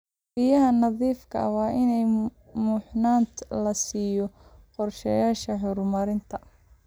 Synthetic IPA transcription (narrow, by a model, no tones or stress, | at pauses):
b̥ijɐɦɐnɑðiːfkʰɐ̰wɑːʔɪnɛj | mʊħnaːnt̪ʰlɐsiːjɔqɔrʃɐjaːʃɐħʊɾmɐɾɪnt̪ʰɐ